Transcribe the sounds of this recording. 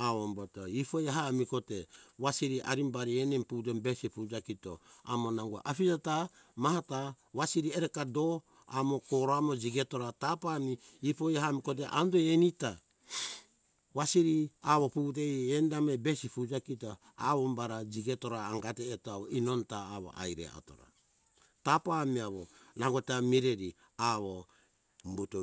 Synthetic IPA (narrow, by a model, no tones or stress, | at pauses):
aβombotoipo̞jaɦamiko̞teβasiɾiʔaɾimbaɾienemput̬embesipud͡ʒakito̰a̰mo̞naŋɡua̰ʔapid͡ʒata | maɦata | βasiɾieɾekado̞ | amo̞koɾoamo̞d͡ʒiɡeto̞ɾatapamiːpojaɦamiko̞t̬eʔandojenita | βasiɾiaβo̞puːt̬ejendamebe̞sipud͡ʒakita | aβombaɾad͡ʒiɡeto̞ɾaːŋɡateːtoaβoino̞ntaːβo̰ʔa̰jɾḛa̰to̞̰ɾa̰ | tapamiaβo̰naɡotamiɾeɾi | aβo | mbuto